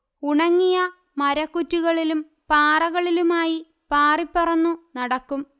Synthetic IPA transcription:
uɳɐŋːijɐ | mɐɾɐkːutːuɣɐɭilum | paːrɐɣɐɭilumaːji | paːripːɐrɐnːunɐɽɐkːum

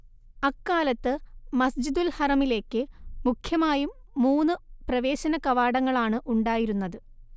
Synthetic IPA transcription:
ɐkːaːlɐt̪ːɨmɐsd͡ʑid̪ulhɐrɐmile̞ːkːɨmukʰjɐmaːjumː | uːnːɨprɐʋe̞ːɕɐnɐkɐʋaːɽɐŋːɐɭaːɳɨʔuɳɖaːjiɾunːɐðɨ

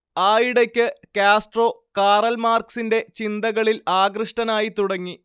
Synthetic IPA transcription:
aːjiɽekʲːɨkaːsʈro̞ːkaːrɐlmaːrksinde̞t͡ɕind̪ɐɣɐɭilaːɡrɨʂʈɐnaːjit̪uɽɐŋːi

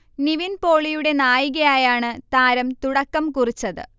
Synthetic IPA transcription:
niʋinpo̞ːɭijuɽe̞naːjiɣɐjaːjaːɳɨt̪aːɾɐmt̪uɽɐkːɐmkurit͡ɕːɐðɨ̰

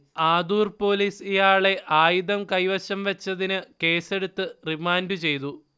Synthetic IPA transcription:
aːd̪uːrpo̞ːliːsijaːɭe̞ʔaːjuðɐmkɐjʋɐɕɐmʋɐt͡ɕːɐðinɨke̞ːse̞ɽut̪ːɨrimaːndɨt͡ɕe̞jt̪u

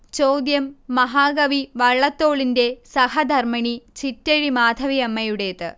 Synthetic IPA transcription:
t͡ɕowd̪jɐmːɐɦaːɡɐʋiʋɐɭːɐt̪ːo̞ːɭinde̞sɐhɐd̪ʱɐrmɐɳit͡ɕitːɐɻimaːd̪ʱɐʋiɐmːɐjuɽe̞ːt̪ɨ̰

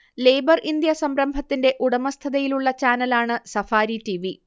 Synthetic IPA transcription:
le̞ːbɐrʔind̪jɐsɐmɾɐmbʱɐt̪ːinde̞ʔuɽɐmɐst̪ʰɐðɐjiluɭːɐt͡ɕaːnɐlaːɳɨsɐfaːɾitiʋi

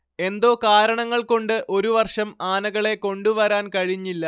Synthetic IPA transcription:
e̞nd̪o̞ːkaːɾɐɳɐŋːɐɭko̞ɳɖɨʔo̞ɾuʋɐrʂɐmaːnɐɣɐɭe̞ko̞ɳɖuʋɐɾaːnkɐɻiɲːilːɐ

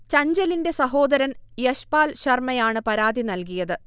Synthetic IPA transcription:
t͡ɕɐɲd͡ʑɐlinde̞sɐɦo̞ːd̪ɐɾɐnjɐɕpaːlɕɐrmɐjaːɳɨpɐɾaːd̪inɐlk̬ijɐðɨ

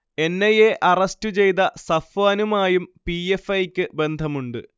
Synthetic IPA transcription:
e̞nːɐjeʔʔɐrɐstut͡ɕe̞jt̪ɐsɐfaːnumaːjumpiefːɐjkʲːɨbe̞nd̪ʱɐmuɳɖɨ̰

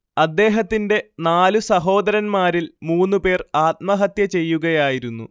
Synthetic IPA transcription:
ɐd̪ːe̞ːɦɐt̪ːinde̞naːlusɐɦo̞ːd̪ɐɾɐnmaːɾilmuːnːupe̞ːraːt̪̚mɐɦɐt̪jɐt͡ɕe̞jːuɣɐjaːjiɾunːṵ

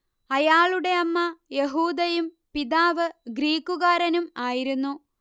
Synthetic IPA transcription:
ɐjaːɭuɽe̞ɐmːɐjeɦuːd̪ɐjum | piðaːʋɨɡɾiːkːuɣaːɾɐnumaːjiɾunːu

